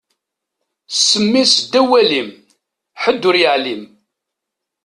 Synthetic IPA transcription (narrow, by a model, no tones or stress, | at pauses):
sːəmːisd̪ːæwælim | ħəd̪ːʊɾjəʕlim